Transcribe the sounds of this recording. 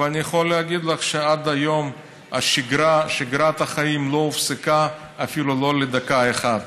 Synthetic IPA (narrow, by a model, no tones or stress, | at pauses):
veanijaχolːeaɡid̪laχʃead̪ajo̞m | aʃiɡɾaʃiɡɾat̪aχaimloufsekaː | filuloled̪akaeχad̪